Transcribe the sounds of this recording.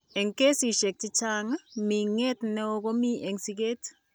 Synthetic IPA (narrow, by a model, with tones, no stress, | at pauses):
e˨ŋke˦si˨ʃe˨k̚t͡ʃɪ˦t͡ʃa˦ŋa˦mi˨ŋe˦tnɛ˦o˦ɣo˦mi˦ʔe˨ŋsi˦ɡe˦t